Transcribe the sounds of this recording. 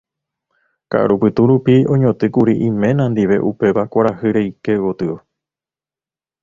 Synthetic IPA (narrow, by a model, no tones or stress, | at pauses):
ka̰ʔa̰ɾupɨt̪uɾupiõ̞ɲõt̪ɨkuɾiʔĩmẽ̞nãnd̪iʋe̞̰ʔupe̞ʋakʷaɾahɨɾe̞jke̞wot̪ɨo